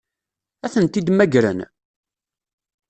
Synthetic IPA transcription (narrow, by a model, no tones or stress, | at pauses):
æθənt̪id̪mæɡɾə̰n